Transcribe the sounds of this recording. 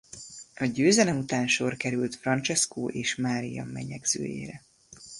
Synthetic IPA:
ɒɟøːzɛlɛmut̪aːnʃo̞rkɛɾylt̪frɒnt͡ʃɛskoːʔeːʃmaːɾijɒ̰mːɛɲɛɡz̥ø̰ːjḛːɾɛ

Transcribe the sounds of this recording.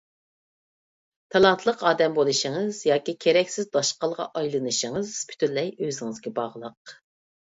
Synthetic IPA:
t̪ʰɑlˠɑnt̪ʰlˠəqɑːd̪ɛmbolˠɨʃəŋɨzjɑːkʲikʲʰeɾɛkʲsɪzd̪ɑʃqɑlˠʁɑ̰ʔɑjlˠɨnɨʃəŋɨz̥pʰy̥t̪ʰynlɛjøzɪŋɨzɡʲɛbɑʁlˠəq

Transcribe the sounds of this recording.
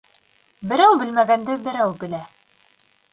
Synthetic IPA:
bɘ̆ɾæwbɘ̆lmæɡænd̪ɘbɘ̆ɾæwbɘ̆læ

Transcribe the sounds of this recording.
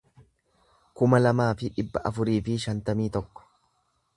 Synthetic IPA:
kʊmɐlɐmaːfɪᶑɪbːɐʔɐfʊɾiːfɪʃɐnt̪ɐmiːt̪ɔkːɔ̥

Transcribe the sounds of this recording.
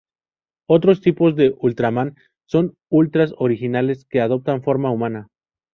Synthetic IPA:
o̞t̪ɾo̞st̪ipo̞zðe̞ʔult̪ɾamãn | so̞n | ult̪ɾaso̞ɾixinale̞ske̞að̞o̞p̚t̪aɱfo̞ɾmaumãna

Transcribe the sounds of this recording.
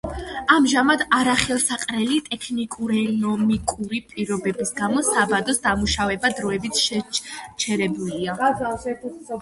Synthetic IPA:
amʒamad̪aɾaχɛlˠsaqʼɾɛlit̪ʼɛkʰnikʼuɾɛnɔmikʼuɾipʼiɾɔbɛbisɡamɔsabad̪ɔsd̪amuʃavɛbad̪ɾɔɛbit̪ʃɛt͡ʃʰɛɾɛbulia

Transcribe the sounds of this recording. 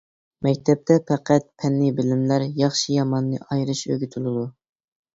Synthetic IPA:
mɛkʲt̪ʰɛp̚t̪ʰɛpʰæqʰæt̪̚pʰɛnːɨbɪlɪmlæɾjɑχʃijɑmɑnːɨ̰ʔɑjɾɨʃø̰ɡʲyt̪ʰɪlˠɨd̪u

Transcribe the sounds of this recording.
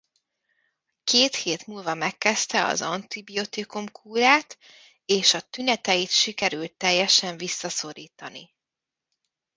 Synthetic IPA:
keːt̪heːt̪muːlvɒmɛkːɛst̪ɛɒ̰zɒnt̪ibio̞t̪ikumkʰuːɾaːt̪ | eːʃɒt̪ynɛt̪ɛjit̪ʃikɛɾylt̪ːɛjːɛʃɛɱvisːɒso̞ɾiːt̪ɒnḭ

